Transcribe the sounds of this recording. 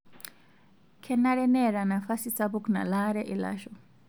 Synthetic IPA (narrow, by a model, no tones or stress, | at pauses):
kʰɛnaɺɛnɛɾanafasisabukna̰laɾɛʔila̰ʃɔ